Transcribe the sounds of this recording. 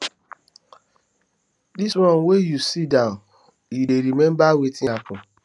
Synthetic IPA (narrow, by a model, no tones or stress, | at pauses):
disɾɔ̃nwejusidãn | ideɾimẽm̩bawetiakʊ